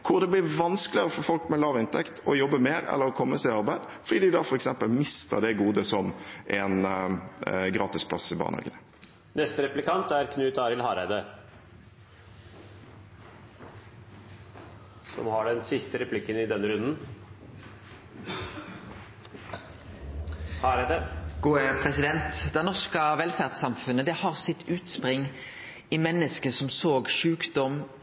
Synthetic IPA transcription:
kʰʊʁd̪ɛblɪʋɑnskəlɪəʁəfɔɾfɔlkmɛlɑːʋɪnt̪ʰɛkt̪ʰɔjɔbːəmeːɾɛ̰lːəɾɔkʰɔmːəsæɪɑɾbæɪd̪fɔɖ̪iːd̪ɪd̪ɑfɔɾɛksɛmpəlmɪst̪ə̰ɾd̪ɛɡuːd̪əsɔmʔɛn | ɡɾɑːt̪ɪspʰlɑ̰sɪbɑ̰ːnhɑ̰ːɡənə | nɛst̪əɾɛplɪkʰɑnt̪æɾkʰnʉːt̪ɑːɾɪlhɑːɾæɪd̪ə | sɔ̰mhɑɖɛnsɪst̪əɾɛpʰlɪkːənɪd̪ɛnːəɾʉnd̪n | hɑɾd̪əɡ̥uːpʰʁɛsɪd̪ɛnt̪d̪ɛnɔʁskəʋɛlfæʁd̪sɑmfʉnəd̪ɛhɑʁsɪt̪ʰʉːt̪spʁɪŋ | ɪmɛnːəskəsɔmsoːɡʂʉːkd̪ɔm

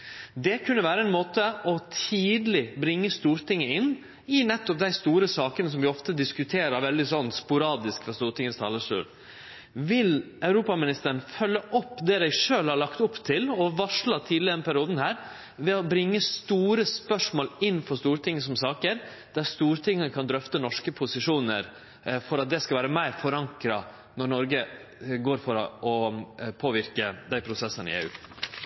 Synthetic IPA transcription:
d̪ɛkʰʉnːəʋæːɾəɛnmoːt̪əʔɔt̪ʰiːd̪lɪbɾɪŋːəst̪uːɾt̪ɪŋːəɪnː | ɪnɛt̪ːɔp̚d̪æɪst̪uːɾəsɑːkənəs̬ɔmʋɪɔft̪əd̪ɪskʉt̪ʰeːɾɑɾʋɛld̪ɪsɔnːspʊɾɑːd̪ɪskfɑst̪uːɾʈ̪ɪŋːəst̪ʰɑ̰ːləʂʉ̰ːɾ | ʋɪl | ɑʉɾuːpɑmɪnɪst̪əɾən̩fœlːəʔɔpːd̪ɛd̪æɪʂøːlhɑɾɭɑkt̪ʊpt̪ʰɪlɔʋɑʂɭɑt̪ʰiːd̪lɪɛnpʰæɾɪuːd̪n̩hæːɾ | ʋɛobɾɪŋːəst̪uːɾəspœʂmoːlɪnːfɔʂst̪uːɾt̪ʰɪŋːəsɔmsɑːkəɾ | d̪̥æɾst̪uːɾt̪ʰɪŋːəkʰɑnd̪ɾœft̪ənɔʂkəpʰʊsɪʂuːnəɾ | fɔɾɑt̪̚d̪ɛskɑʋæːɾəmæɪɾfɔɾɑŋkɾɑ̰ | nɔɾɳɔɾɡəɡoːɾfɔɾɔɔpʰoːʋɪɾkəd̪æɪpʰɾʊsɛsːənɪ̰ḛːʉ̰ː

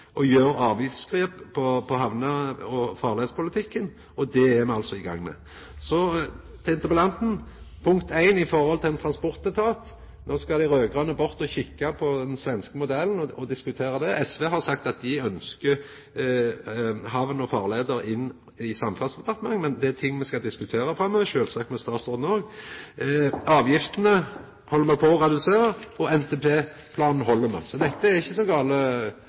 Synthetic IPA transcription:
ʔɔjøːɾɑːʋjɪft̪skɾʁeːppʰɔpʰɔɦɑʋnəɔfɑːʁleːd̪spʊlɪt̪ʰɪkːən | ɔd̪ɛɛmɛɑlsɔɪɡɑ̰ŋːmɛ̰ | sɔt̪ʰɛnt̪əpəlɑnt̪n̩ | pʰʊŋkt̪æɪnɪfɔɾhɔlt̪ʰɪlɛnt̪ʰɾɑnspɔɾt̪̚d̪ɛt̪ʰɑːt̪ | noːskɑɪɾøːɡʁɑnəbʊɾt̪ɔçɪkːapʰɔd̪ɛnsʋɛnskəmʊd̪ɛln̩ɔɔd̪ɪskʉt̪ʰeːɾɑd̪ɛʔɛsʋeːɦɑʁsɑkt̪ɑt̪̚d̪ɪœnskə | ɦɑʋənɔfɑːʁleːd̪əɾɪnː | ɪsɑmfɑnsd̪ɛpɑʁt̪əmɑŋːmɛnd̪ɛæt̪ʰɪŋːmɛskɑd̪ɪskʉt̪ʰeːɾəfɾɑmœːʋəʃøːlsɑk̚t̪mɛst̪ɑːt̪soːd̪n̩oːɡ | ɑːʋjɪft̪ənə | hɔlːəmæɪpʰɔʁɛd̪ʉseːʁəɔɛnt̪ʰeːpʰeː | pʰlɑːnn̩ɦɔlːəmæ̰sɔd̪ɛt̪ːəæɾɪçːəsɔɡɑːlə

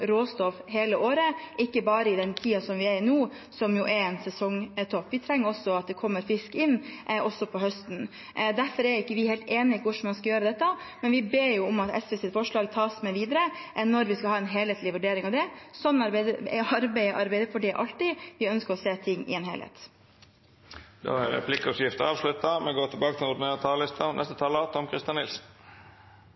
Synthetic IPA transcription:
ɾoːst̪ɔfɦeːləʔoːɾəʔɪkːəbɑːɾəɪd̪ɛnt̪ʰiːɑsɔmʋɪɛɾnuː | sɔmjʊʔɛɛnsɛsɔŋt̪ʰɔpːʋɪt̪ʰɾɛŋːəɾɔsːɔɑt̪̚d̪ɛkʰɔmːəɾfɪskɪnːʔɔsːɔpʰɔɦœst̪n | d̪æɾfɔɾɛɾjʊɪkːəʋɪheɪlt̪eːnɪʋʊʂmɑnskɑjøːɾəd̪ɛt̪ːə | mɛnʋɪbeːjʊʊmɑt̪ɛ̰sʋɛsɛfɔʂɭɑːɡt̪ʰɑːsmɛʋiːd̪əɾəʔnːɔɾʋɪskɑhɑːɛnɦeːleːt̪lɪʋʉɖeːɾɪŋɑʋd̪ɛsɔnːɑɾbɛɪd̪əɑɾbɛɪəʔɑɾbæɪd̪əfɔɖɛʔɑlt̪ɪʋɪœnskəɾɔseːt̪ʰɪŋːɪ̰ɛːnɦḛːlhḛt̪ | d̪̥o̰ːæɾɛ̰pʰlɪkːəɔsjɪft̪əɑːʋslʉt̪ːɑmɛɡoːt̪ʰɪbɑːkət̪ʰɪlʊd̪ənːt̪ʰɑːlɪst̪ʰɑnɛ̰st̪ət̪ʰɑːlət̪ʰɔmkʰɾɪst̪jɑnɪlsn

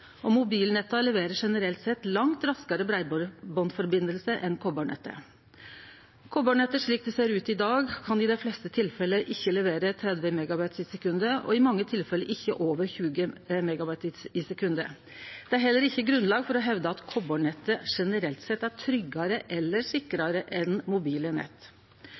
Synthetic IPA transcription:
ɔmʊbiːlnɛt̪ːɑlɛʋeːɾəʂɛnəɾɛlt̪sɛt̪ːlɑŋt̪ɾɑskɑɾəbɾæɪbbɔnfɔɾbɪnəlsəʔɛnkʰɔbɔɳɛ̰t̪ːə̰ | kʰɔbɔɳɛt̪ːəʂɭiːk̚d̪ɛseːɾʉːt̪ɪd̪ɑːɡkʰɑnɪd̪ɛflɛst̪ət̪ʰɪlfɛlːəʔɪçːəlɛʋeːɾət̪ʰɾɛd̪ʋəmɛɡɑbɑɪt̪sɪsɛkʉnd̪əɔ̰ɪmɑŋːət̪ʰɪlfɛləʔɪçːəʔoːʋəɾçʉːɡəmɛɡɑbɑɪt̪ɪsɪsɛkʰʉnd̪ə | d̪̥ɛæɾɦɛlːəɾɪçːəɡɾʉnlɑːɡfɔɾɔɦɛʋd̪əɑt̪kʰɔboːɳɛt̪ːəʂɛnəɾɛlt̪sɛt̪ːæʈʰɾʏɡːɑɾəʔɛlːəʂɪkɾɑɾəʔɛnmʊbiːlənɛ̰t̪ː

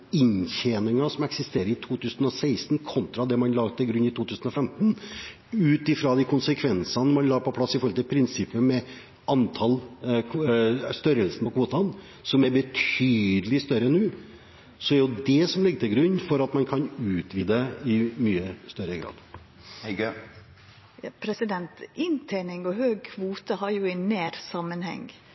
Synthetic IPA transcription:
ɪɲçenɪŋɑsɔmɛksɪst̪eːɾəɪt̪ʰuːt̪ʰʉːsn̩ɔsæɪst̪n̩kʰɔnt̪ɾɑd̪ɛmɑnlɑːɡt̪ʰɪlɡɾʉnːɪt̪ʰuːt̪ʰʉːsn̩ɔfɛmt̪n | ʉːt̪ɪfɾɑd̪ɪkʰʊnsəkʰʋɛnsɑnmɑnlɑːɡpɔpʰlɑsːɪfɔɾɔlt̪ɪlpʰɾɪnsɪpːəmɛ | ʔɑnt̪ʰɑl | st̪œɾəlsnpʰɔkʰʋuːt̪ɑn | sɔmɛɾbət̪ʰyːd̪əlɪst̪œɾənːʉː | sɔæɾjʊd̪ɛsɔmlɪɡːət̪ʰɪlɡɾʉnːfɔɾɑt̪mɑnkʰɑnʉːt̪ʋiːd̪əɪmyːəst̪œɾəɡɾɑ̰ːd̪̥ | hɛɡ | pʰɾɛsɪd̪ɛnt̪ɪnt̪ʰeːnɪŋɔhøːɡ̚kʰʋuːt̪əhɑɾjʊɛneːɾsɑmːənhɛ̰ŋ

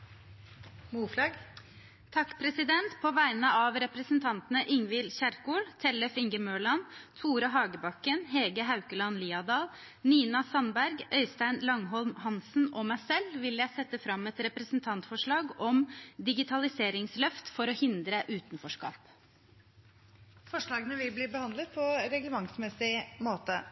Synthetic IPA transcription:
muːflɑːɡ | t̪ʰɑkːpʰɾɛsɪd̪ɛnt̪pʰɔʋæɪnəɑʋɾɛpɾəsn̩t̪ʰɑnt̪ənəʔɪŋʋɪlçæɾkuːlt̪ʰɛləfɪŋɡəmøːɭɑnt̪ʰuːɾɑɦɑːɡəbɑkənɦɛːɡəɦɑʉkəlɑnliːɑd̪ɑːl | niːnɑsɑnbæɾɡœʏst̪æɪnlɑŋɦɔlmhɑnsn̩ɔmæɪsɛlʋɪljæɪsɛt̪ːəfɾɑmːɛt̪ɾɛpɾəsn̩t̪ʰɑnt̪fɔʂɭɑːɡɔmd̪ɪɡɪt̪ʰɑlɪseːɾɪŋslœft̪fɔɾɔhɪnd̪ɾəʔʉːt̪n̩fɔʂkɑ̰ːp | fɔʂɭɑːɡənəʋɪlbliːbəhɑnd̪lət̪̚pʰɔɾɛɡləmɑŋsmɛsɪmoːt̪ə

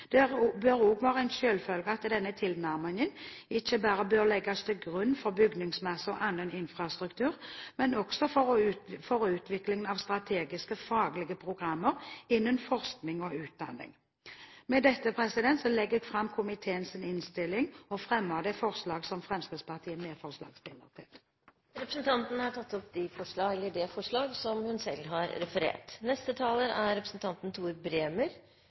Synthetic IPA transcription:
d̪̥ɛʁbøʁuːɡʋɑːʁəɛnʃøːlfœlɡəɑt̪d̪ɛnːət̪ʰɪlnæʁmɪŋən | ɪçəbæːɾəbøːʁlɛɡːɑst̪ʰɪlɡʁʉnːfɔʁbʏɡnɪŋsmɛsɔʔɑnːənɪnfʁɑst̪ʁʉkt̪ʰʉːʁmɛnɔɡ̥sɔfɔʁfɔʁʉːt̪ʰʋɪklɪŋənɑʋst̪ʁɑt̪ʰeːɡɪskəfɑːɡlɪɡəpʰʁʊɡʁɑmːəʁɪnːənfɔʁsknɪŋɔʉːt̪̚d̪ɑ̰nːɪ̰ŋ | mɛd̪ɛt̪ːəpʰʁɛsɪd̪ɛnt̪sɔlɛɡːəɡfʁɑmːkʰʊmɪt̪ʰeːənsɪnɪnst̪ɪlːɪŋɔfʁɛmːəd̪ɛfɔʁʂlɑːɡsɔmfʁɛmskʁɪt̪spɑʁt̪ʰiːəmeːfɔʁʂlɑ̰ːɡst̪ɪlːəʁt̪ʰɪl | ɾɛpɾə̥snt̪ʰɑnt̪nhɑʈʰɑt̪ːɔpd̪ɪfɔʂɭɑːɛlːəɖɛfɔʂɭɑːɡsɔmhʉnsɛ̰lːɦɑɾɾɛfəɾḛːʈnɛst̪ət̪ʰɑːləɾæɾɾɛpɾəsnt̪ʰɑnt̪n̩t̪ʰuːɾbɾeːməɾ

